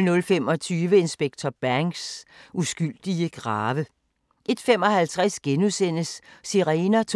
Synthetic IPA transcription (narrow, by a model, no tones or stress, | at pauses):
nɔ̽lfemɒ̽t͡sʰyːʋəe̝nsb̥eɡ̥̚t͡sʰɒb̥æŋsʔusɡ̥yl̰d̥iəɡ̥ʁɑːʋə | ʔe̝d̥fem̰ɒ̽hælt͡sʰʁasɡ̥enusen̰əsːiʁeːnæt͡sʰ